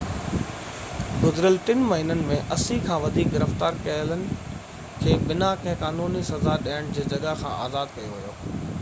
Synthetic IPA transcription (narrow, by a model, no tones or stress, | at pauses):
ɡʊzɾəlʈɪnmɐɦiːnənɪ̆mẽʔɐsikʰãːʋɐd̪ʱiːk̚ɡɪɾəft̪aːɾkɐɦələnɪ̆ | kʰeːbɪnakɐ̃ɦɪ̃kaːnuːnisɐzaɗiɦəɽ̃d͡ʑeːd͡ʑɐɠakʰã̰ʔa̰ːzaːd̪̚kɐjoʋɪjo̰ː